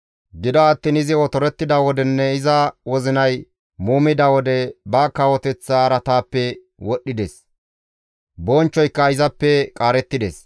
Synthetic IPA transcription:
ɡɪd̪ɔɐt̪ːɪnɪzɪwɔt̪ɔɾɛt̪ːɪd̪ɐwɔd̪ɛnːɛɪzɐwɔzɪnɐj | muːmɪd̪ɐwɔd̪ɛbɐkɐwɔt̪ɛt͡sːaːɾɐt̪aːpːɛ | wɔɗːɪd̪ɛs | bɔnt͡ʃːɔjkːɐɪzɐpːɛkʼaːɾɛt̪ːɪd̪ɛs

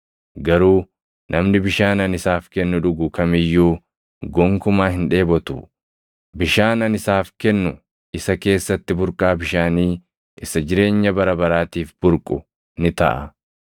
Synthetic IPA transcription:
ɡɐɾuː | nʔɐmnɪbɪʃaːnɐnɪsaːfkɛnːʊᶑʊɡʊkɐmɪjːuː | ɡɔŋkʊmaːɦɪnᶑe̞ːbɔt̪ʊ̰ | bɪʃaːnɐnɪsaːfkɛnːʊ | ɪsɐke̞ːsːɐt̪ːɪbʊɾkʼaːbɪʃaːniː | ɪsɐd͡ʒɪɾe̞ːɲːɐbɐɾɐbɐɾaːt̪iːfb̥ʊɾkʼʊ | nɪt̪ɐ̰ʔɐ̰

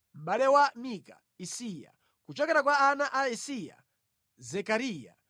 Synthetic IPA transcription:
m̩ɓalɛwamika | isija̰ | kut͡ʃɔkɛɾak̬waːnaʔaisija̰ | zɛkaɾiːja̰

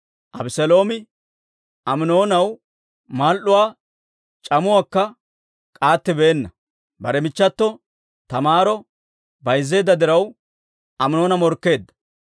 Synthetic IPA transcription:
ʔɐbɪsɛlo̞ːmɪ | ʔɐmɪno̞ːnɐw | maːlʔʊwaː | t͡ʃʼɐmʊwaːkːɐ | kʼaːt̪ːɪbeːnːɐ | bɐɾɛmɪt͡ʃːɐt̪ːɔ | t̪ɐmaːɾɔ | bɐjzːe̞ːd̪ːɐd̪ɪɾɐw | ʔɐmɪno̞ːnɐmɔɾkːe̞ːd̪ːɐ̥

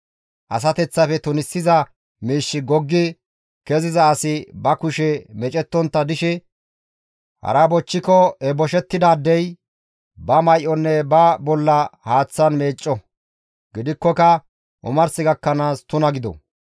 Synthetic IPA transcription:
ʔɐ̰s̬ɐt̪ɛt͡sːɐfɛt̪ʊnɪsːɪzɐ | miːʃːɪɡɔɡːɪ | kɛzɪzɐːsɪbɐkʊʃɛmɛt͡ʃʼɛt̪ːɔnt̪ːɐd̪ɪʃɛ | hɐ̰ɾɐbɔt͡ʃːɪkɔɛbɔʃɛt̪ːɪd̪aːd̪ːɛj | bɐmɐjʔɔnːɛbɐbɔlːɐhaːt͡sːɐnme̞ːt͡ʃʼːɔ | ɡɪd̪ɪkːɔkɐ | ʔʊ̰mɐɾsɪɡɐkːɐnaːst̪ʊnɐɡɪd̪ɔ̰

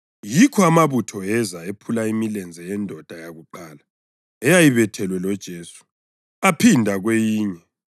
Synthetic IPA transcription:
jikʰɔamaβutʰɔɛzaepʰulaimilɛnd͡zʱɛjɛndʱɔd̥ʱajaɣuǃaːla | ɛjajiβɛtʰɛlwɛlɔd̥ʒ̥ʱeːsu̥ | apʰindʱaɣwejiːɲɛ

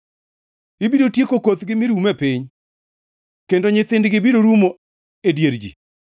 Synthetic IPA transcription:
ɪbiɾotjekokot̪ɡɪmɪɾumɛpɪɲ | kendoɲɪt̪ɪndɡɪbiɾoɾumo | edjeɾd͡ʒḭ

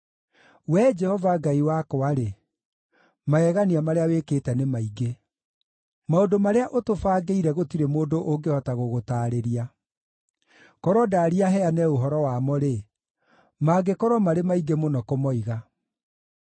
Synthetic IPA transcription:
wɛd͡ʒɛhɔvaɡaiwakɔaɾe | maɛɣaniamaɾeawekeːtɛnemaiɡe | maondomaɾeaʔotofaːɡeiɾɛɣotiɾemoːndoʔoŋɡehɔtaɣoɣotaːɾeɾia | kɔɾwɔdaːɾiaɦɛanɛoɦɔɾɔwamɔɾe | maɡekɔɾwɔmaɾemaiɡemonɔkomɔiɣa

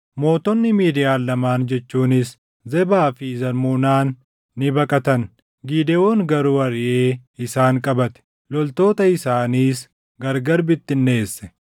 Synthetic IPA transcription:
mo̞ːt̪ɔnːɪmiːd̪ɪjaːlːɐmaːnd͡ʒɛt͡ʃːuːnɪs | zɛbaːfɪzɐɾmuːnaːnː | ɪbɐkʼɐt̪ɐn | ɡiːd̪ɛoːŋɡɐɾuːɐɾɪʔeːɪsaːŋkʼɐbɐt̪ɛ̥ | lɔlt̪o̞ːt̪ɐɪsaːniːs | ɡɐɾɡɐɾbɪt̪ːɪnːe̞ːsːɛ̥

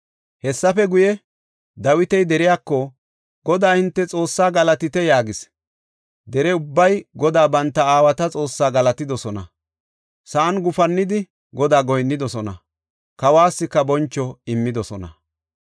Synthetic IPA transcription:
hɛsːɐfɛɡʊjɛ | d̪ɐwɪt̪ɛjd̪ɛɾɪjaːkːɔ | ɡ̥ɔd̪aːhɪnt̪ːɛt͡sʼo̞ːsːaːɡɐlɐt̪ɪt̪ɛjaːɡɪs | d̪ɛɾɛʊbːɐjɡɔd̪aːbɐnt̪ːɐaːwɐt̪ɐt͡sʼo̞ːsːaːɡɐlɐt̪ɪd̪ɔsɔnɐ̰ | sɐʔːnɡʊfɐnːɪd̪ɪ | ɡɔd̪aːɡɔjnːɪd̪ɔsɔnɐ̰ | kɐwaːsːɪkːɐbɔnt͡ʃːɔɪmːɪd̪ɔsɔnɐ̰

